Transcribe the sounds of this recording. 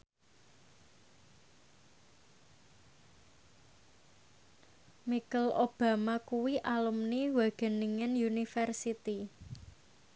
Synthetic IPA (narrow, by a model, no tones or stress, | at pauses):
mikəlʔob̥a̤makuwiʔalumniwaɡ̥ə̤niŋɪnjunifɛrsit̪i